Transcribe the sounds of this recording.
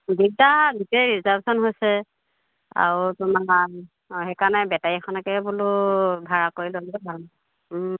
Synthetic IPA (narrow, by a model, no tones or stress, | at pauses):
ɡitaɡitɛɹizaɹbsɔnɦojsɛ | a̰ɹutʊma | hɛkanɛbɛtajɛxʰɔnakɛbulʊbʱaɹakoɹilolɛbʱa